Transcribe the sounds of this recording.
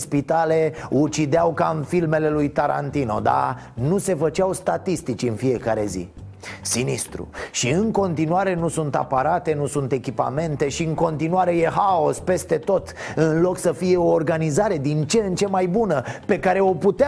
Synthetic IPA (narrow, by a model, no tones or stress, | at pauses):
spit̪ale̞ut͡ʃid̪eawkaɨnfilme̞le̞lujt̪aɾa̰nt̪ino̞̰d̪a̰ | nuse̞fət͡ʃawst̪at̪ist̪it͡ʃɨnfije̞kaɾe̞̰zḭ | sinist̪ɾṵʃiɨŋko̞nt̪inuaɾe̞nusunt̪a̰paɾat̪e̞nusunt̪e̞kʲipa̰me̞nt̪e̞ʃiɨŋko̞nt̪inuaɾe̞je̞ɦao̞spe̞st̪e̞t̪o̞t̪ɨnlo̞ksəfije̞o̞ːrɡanizaɾe̞d̪int͡ʃent͡ʃe̞majbunəpe̞kaɾe̞o̞put̪e